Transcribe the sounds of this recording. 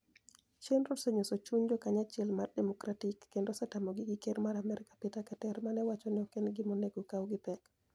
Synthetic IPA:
t͡ʃenɾodseɲosot͡ʃuɲd͡ʒɔkaɲat͡ʃɛlmardɛmɔkɾatɪkːendosɛtamoɡɪɡɪkeɾmaɾamɛɾɪkḁpɪtakatɛɾmanɛwat͡ʃɔnɪɔkenɡɪmoneɡokawɡɪpɛk

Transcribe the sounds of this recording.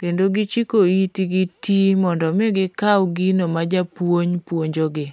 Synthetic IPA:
kendoɡɪt͡ʃikoitiɡɪtimɔndɔmeɡɪkawɡinomad͡ʒapwoɲpwoɲd͡ʒoɡɪ

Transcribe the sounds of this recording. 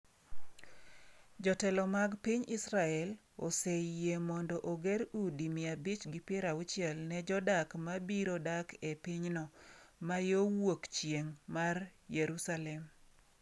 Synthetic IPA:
d͡ʒɔtɛlɔmaɡpiɲisɾaɛl | ɔsejemɔndɔʔoɡeɾudimɪabɪt͡ʃɡɪpɪɾaʊt͡ʃjɛlnɛd͡ʒɔdakmabiɾodakepiɲnɔmajowokt͡ʃjeŋmarjeɾusalɛm

